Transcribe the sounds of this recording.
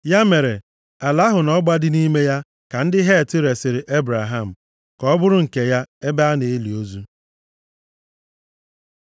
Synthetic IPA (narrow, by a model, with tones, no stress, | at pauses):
ja˦me˨ɾe˨ | a˨la˨˦ɦʊ˨nɔ˦ɡ͡ba˦dɪ˦ni˦me˦ja˦ | ka˨n̩˦dɪ˦ɦe˦˨tɪ˦ɾe˨sɪ˨ɾɪ˨ʔe˦bɾa˨ɦa˦˨m̩˨ | kɔ˦bʊ˦ɾʊ˦ŋ̩˨ke˨ja˦e˦ba˦a˦ne˨e˦li˨o˦zu˦